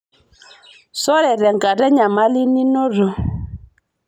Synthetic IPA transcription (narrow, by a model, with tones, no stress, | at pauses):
sɔ˦ɾɛ˨ɾɛ˨ŋɡa˨ɾɛ˦ɲa˨ma˦li˦ni˦no˦ɾo˨